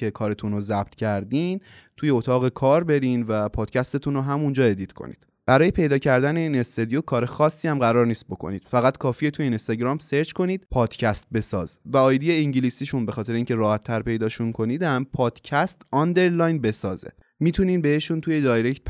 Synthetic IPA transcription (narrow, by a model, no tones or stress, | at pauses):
ce̞kʰɒːɾe̞t̪ʰunozæb̚t̪cʰæɾd̪int̪ʰuːje̞ot̪ʰɒːɣe̞kʰɒːɾbe̞ɾinvæpʰɒːd̪̥cʰæst̪e̞t̪ʰunoɦæmund͡ʒɒːe̞d̪iːt̪ʰkʰo̞̰nḭːd̪̥ | b̥æɾɒːje̞pʰe̞jd̪ɒːcʰæɾd̪æne̞iːne̞st̪e̞d̪ijokʰɒːɾe̞xɒːsːiːæmɢæɾɒːɾniːst̪̚bo̞kʰo̞̰nḭːd̪̥fæɣæt̪kʰɒːfijet̪ʰujeinest̪ɒɟɾɒːmseɾt͡ʃko̞niːd̪̚pʰɒːd̪̥cʰæst̪̚be̞sɒ̰ːz̥væɒːjd̪ijeiɲɟilisiːʃunbexɒːt̪ʰe̞ɾeiːŋcʰe̞ɾɒːhæt̪ʰːæɾpe̞jd̪ɒːʃunkʰo̞niːd̪æmpʰɒːd̪̥cʰæst̪ɒnd̪e̞ɾlɒjnbe̞sɒːzḛ | miːt̪ʰuniːnbeeʃunt̪ʰujed̪ɒːjɾect̪̚